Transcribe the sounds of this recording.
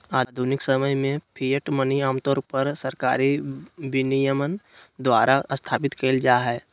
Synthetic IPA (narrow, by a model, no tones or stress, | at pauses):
aːd̪ʱunɪksəməjmẽpʰijəʈməniaːmt̪ɔːɾpəɾsəɾkaːɾiʋɪnijəmən | d̪waːɾaʔəst̪ʰaːpɪt̪kʰeːld͡ʒaːɦɛː